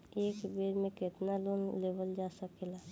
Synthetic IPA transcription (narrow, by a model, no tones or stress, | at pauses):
eːkbeɾmẽkɪt̪naloːnlebəld͡ʒasəkela